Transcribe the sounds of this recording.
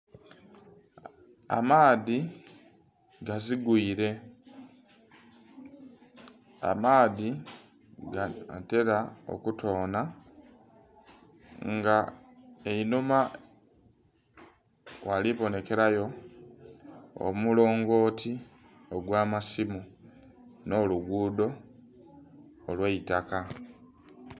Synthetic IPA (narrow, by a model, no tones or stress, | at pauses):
a̰maːði | ɡaziɡuiɾe̞ | a̰maːði | ɡaa̰te̞ɾao̰kutʰo̞ːna | ŋɡa | einuma | wʔaliβo̞ne̞ke̞ɾajo̞ | o̰mulo̞ːŋɡo̞ːtʰi | oɡwaːmasimu | no̞luɡuːdo̞ | lweitaka